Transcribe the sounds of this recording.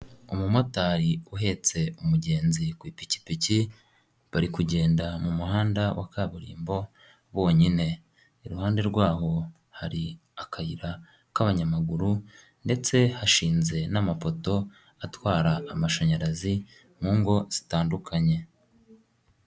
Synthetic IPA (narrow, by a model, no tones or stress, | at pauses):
umumo̞taːɾiuɦe̞t͡se̞umuɟe̞ːnzikwiːpici̥pici | βaɾikuɟe̞ːndamumuhaːndawʔa̰kaːβuɾḭːmbo̞ | βo̞ːɲine̞ | iɾuhaːnde̞ɾɡwaːɦo̞ | haɾi | akʰaiɾa | kaβaɲamaɡuɾu | nde̞t͡se̞haʃiːnze̞namafo̞to̞ | atwaːɾaːmaʃaɲaɾazi | muːŋɡo̞z̥itaːndukʰaɲe̞